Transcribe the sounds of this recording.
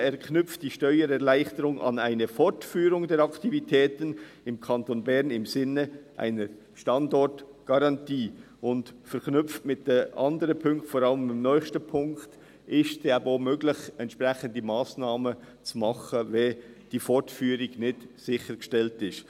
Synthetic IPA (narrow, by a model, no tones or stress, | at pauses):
ɛɾkʰnʏpp͡ftd̥iːʃtœʏəɾɛɾlaɪxtəɾʊŋʔɑ̰naɪnəfɔɾtfyːɾʊŋdɛːɾɑktivitʰɛːtən | ɪmkʰɑntonbɛɾnɪmzɪnːəʔa̰ɪnəɾ | ʃtɑndɔɾt | ɡ̥ɑɾɑntiː | ʊntfɛɾknʏpftmɪt̚d̥eʔɑndəɾəpʰʏŋktfɔɾɑləmɪmnœʏçstəpʰʊŋkt | ʔɪstd̥ɛbomøːɡlɪçɛntʃpɾɛçəndəmaːsnɑːmə | t͡sumɑχəvɛ | d̥iːfɔɾtfyːɾɪɡnɪtsɪxəɡəʃtɛltɪʃt